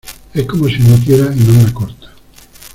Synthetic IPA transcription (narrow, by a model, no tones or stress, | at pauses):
ɛkːomosinot̪̬jeɾainõmːakoɾt̪ḁ